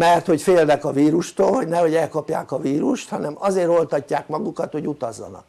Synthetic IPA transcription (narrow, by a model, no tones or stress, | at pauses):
mɛrt̪ho̞cfeːlnɛkɒviːɾuʃt̪oːlho̞ɟnɛho̞ɟɛlkɒpja̰ːkɒviːɾuʃt̪hɒnɛmɒzeːɾo̞lt̪ɒcːaːkmɒɡukɒt̪ho̞ɟut̪ɒzːɒ̰nɒ̰k